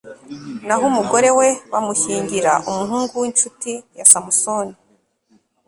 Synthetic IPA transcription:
naɦumuɡo̞ɾe̞we̞wamuçiːɲɟiɾaʔumuɦuːŋɡuwint͡ʃutijasamusoni

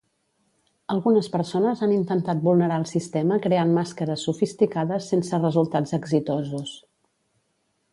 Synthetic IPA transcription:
əlˠɣunəspəɾsonəzanint̪ənt̪at̪̚bulˠnəɾaəlˠsist̪ɛməkɾeanmaskəɾəsufist̪ikaðəsensərəzulˠt̪ad͡zəɡzit̪ozus

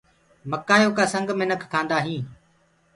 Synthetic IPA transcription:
məkaːjoːkaːsə̃ŋɡmɪnəkʰkʰːãːnd̪aːɦĩː

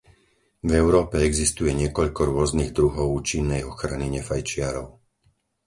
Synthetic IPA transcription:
vɛʊɾɔːpɛɛɡzist̪ujɛɲɪɛkɔʎkɔɾʊɔzniːɣd̪ɾuɦɔʊuːt͡ʃinːɛjɔxɾaniɲɛfajt͡ʃɪaɾɔʊ

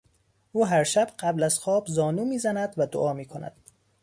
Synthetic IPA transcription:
ʔuːɦæɾʃæbɢæblæz̥xɒːbzɒːnuːmiːzænæd̪væd̪oʔɒːmiːkʰonæ̰d̪̥

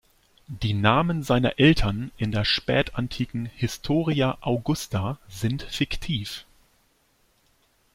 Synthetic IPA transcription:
d̥iːnaːmənzaɪnɐ̰ʔɛltʰɐnʔɪndeːɐʃpɛːtʰantʰiːkŋ̩hɪstʰoːʁiaʔaʊɡʊstʰazɪntfɪktʰiːf

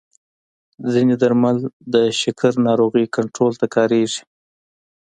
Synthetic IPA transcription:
zined̪aɾmald̪əʃɪkaɾnɑɾoɣikaɳʈɾolt̪akɑɾeʐi̥

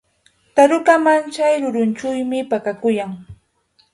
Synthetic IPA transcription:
t̪aɾʊkamant͡ʃajɾʊɾʊnt͡ʃʊjmɪpakakʊjaŋ

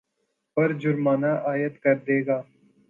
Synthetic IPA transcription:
pɐɾd͡ʒʊɾmaːnaːʔaːjət̪kɐɾd̪eːɡaː

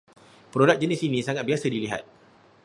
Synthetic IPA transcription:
pəɾodak̚d͡ʒənisinĩsaŋat̪̚biasədiliɦa̰t̪̚

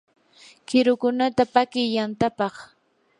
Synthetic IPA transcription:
kɪɾʊkʊnat̪apakɪjːant̪apɑχ

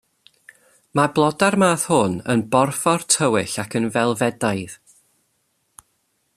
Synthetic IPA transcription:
mablˠɔdarmaːθhʊnə̰nbɔrfɔrtʰəwɪɬakʰənvɛlˠvɛdajð̥

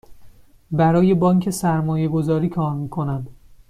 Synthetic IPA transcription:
bæɾɒːje̞bɒːŋcʰe̞sæɾmɒːje̞ɡo̞zɒːɾiːkʰɒːɾmiːkʰo̞nænd̪

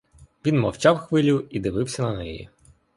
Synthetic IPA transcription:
ʋʲinmɔwt͡ʃɑwxʋɪlʲʊid̪ɪʋɪwsʲɐnɐnɛjḭ

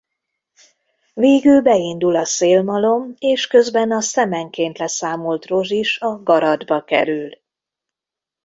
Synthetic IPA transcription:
veːɡylbɛind̪ulɒseːlmɒlo̞meːʃkø̞zbɛnɒsɛmɛŋkeːnt̪lɛsaːmo̞lt̪ro̞ʒiʃɒɡɒɾɒd̪bɒkɛ̰ɾyl

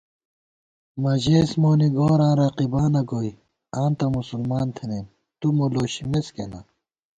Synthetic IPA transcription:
mɐʑeːsmoːniɡõːɾãːɾaqibaːnɐɡoj | ãːnt̪ɐmusulmaːnt̪ʰenem | t̪umoloːɕimeskḛnɐ̰

